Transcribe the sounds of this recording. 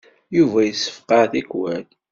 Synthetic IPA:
juvæjəsːə̥fqɑθikwæn

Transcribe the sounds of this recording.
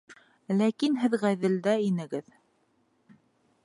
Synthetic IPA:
lækinɦɘðʁæðɘ̆ld̪æinɘ̆ɡɘð

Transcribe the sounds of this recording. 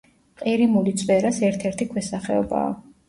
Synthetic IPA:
qʼiɾimulit̪sʼwɛɾasɛɾt̪ʰɛɾt̪ʰikʰwɛsaχɛɔ̰ba̰ː

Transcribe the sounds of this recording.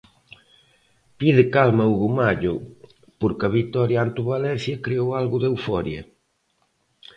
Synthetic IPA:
piðɪkalmɐuɣumaʎʊ | poɾkɐβit̪ɔɾjaant̪uβalɛnθjɐkɾiowalɣʊðewfɔɾjɐ

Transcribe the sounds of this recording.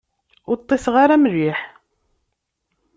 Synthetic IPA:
ʊɾt̪ˤːesʁaɾamrːiħ

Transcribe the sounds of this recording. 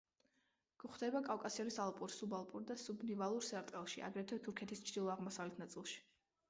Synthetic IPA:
ɡ̥uχd̪ɛbakʼavkʼasiɔnisalˠpʼuɾsubalˠpʼuɾd̪asubnivalˠuɾsɛɾt̪ʼɛlˠʃiʔa̰ɡɾɛt̪ʰɛt̪ʰuɾkʰɛt̪ʰist͡ʃʰd̪ilˠɔaʁmɔsavlɛt̪ʰnat̪sʼilˠʃi̥

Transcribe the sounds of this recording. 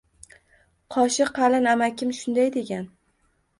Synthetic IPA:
qʰɒʃɪqɑlɪnamakʲʰɪmʃʊnd̪ajd̪e̞ɡʲan

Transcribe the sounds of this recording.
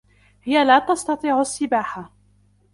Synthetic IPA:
hɪjalaːt̪ɑst̪ɑt̪ˤiːʕasːɪbaːħa

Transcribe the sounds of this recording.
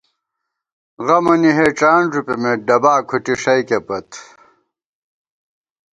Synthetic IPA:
ɣɐmɐniɦeːʈ͡ʂaːnʐupemeɖɐbaːkʰuʈiʂɐjkepɐt̪ʰ

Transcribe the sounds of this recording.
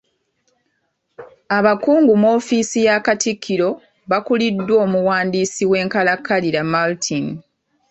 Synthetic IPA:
aβakuːŋɡumo̞ːfiːsijaːkatikʰːiɾo̞ | βakulidːwo̞ːmuwaːndiːsiwe̞ːŋkalakːaliɾamaltʰin

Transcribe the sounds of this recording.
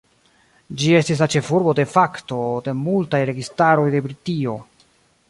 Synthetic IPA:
d͡ʒie̞stis̬lat͡ʃe̞fuɾbo̞de̞fakto̞de̞multajɾe̞ɡistaɾo̞jde̞bɾitio̞

